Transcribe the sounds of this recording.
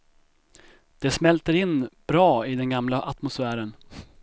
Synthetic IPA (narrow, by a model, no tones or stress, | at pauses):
d̪̥ɛsmɛlt̪əɾɪnːb̥ɾɑːɪd̪ɛnɡamlaʔat̪mʊsfæːɾən